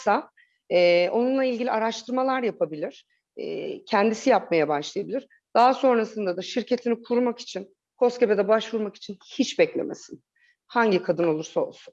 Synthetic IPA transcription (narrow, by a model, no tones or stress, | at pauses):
sa | ɛːo̞nunlˠailʲɟilʲiaɾaʃt̪ʰɯɾmalˠaɾjapʰabilʲiɾ̥ | ɛ̰cʰɛnd̪isijap̚majabaʃlˠajabilʲiɾ | d̪̥aɦaso̞nɾasɯnd̪ad̪aʃiɾcʰe̞t̪ʰinikʰuɾmaki̥t͡ʃʰin | kʰo̞scebed̪ɛbaʃvuɾmaki̥t͡ʃʰinhit͡ʃbɛclʲḛmḛsin | haɲɟikʰad̪ɯno̞lˠuɾsao̞lˠsun